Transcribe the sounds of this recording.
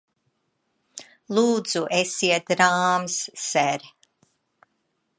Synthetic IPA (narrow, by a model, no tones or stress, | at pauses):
lˠuːd̪z̥uʔesiɛt̪̚ɾaːmsːɛɾ